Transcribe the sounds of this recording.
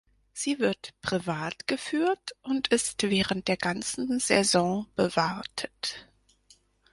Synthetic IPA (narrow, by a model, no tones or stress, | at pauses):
z̥iːvɪɐtpʁ̥ivaːtɡ̥əfyːɐtʔʊntʔɪstv̥ɛːʁənt̚d̥eːɐɡant͡sn̩z̥ɛzɔ̃ːb̥əvaʁtʰə̥t